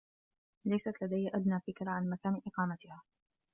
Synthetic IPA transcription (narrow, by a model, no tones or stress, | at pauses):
lajsat̪lad̪ajːʔad̪naːfɪkɾaʕanmakaːnʔɪqɑːmat̪ɪhaː